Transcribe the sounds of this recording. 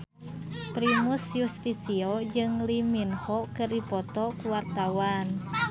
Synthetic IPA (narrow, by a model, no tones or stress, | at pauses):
pɾimusjust̪isiɔd͡ʒɨŋliminhɔkɨrdipɔt̪ɔkuwart̪awan